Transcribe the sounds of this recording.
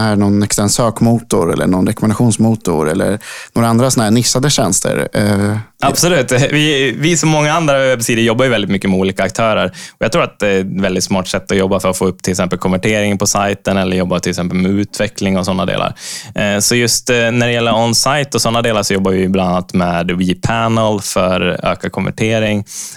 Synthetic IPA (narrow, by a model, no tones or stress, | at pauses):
hæɳɔnɛkst̪ɛnsøːkmuːt̪ʊɾɛ̰lːə̰ɳɔnɾɛkɔmɛnd̪aɧuːnsmuːt̪ʊ̰ɾɛ̰lːə̰ɾnoːɾaand̪ɾasɔnhæːɳɪsːad̪əɕɛnst̪ʰə̰ɾ | absɔlʉ̟ːt̪vɪvɪsɔmːɔŋːaand̪ɾavɛbsiːd̪ɪjɔbːajʏvɛld̪ɪt̪mʏkːəmɛuːliːkaːk̚t̪ʰœːɾəɾɔjɑɡt̪ʰɾuːɾat̪̚d̪ɛvɛld̪ɪt̪smɑːʈsɛt̪ːɔjɔbːafœɾɔtfoːɵpːt̪ʰɪlɪksɛmpəlkʰɔmvæʈʰeːɾɪŋəpʰɔsajt̪ənɛlːəɾjɔbːat̪ʰɪlɪksɛmpəlmɛʉ̟ːt̪vɛklɪŋɔsɔnːad̪ḛːla̰ɾsɔjɵst̪næɖɛjɛlːəɾɔnsajt̪ɔsɔnːad̪eːlaʂɔjɔbːavɪɪblananːat̪meːd̪wiːpʰænəlfœɾø̰ːkakʰɔmvæ̰ʈʰeːɾɪŋ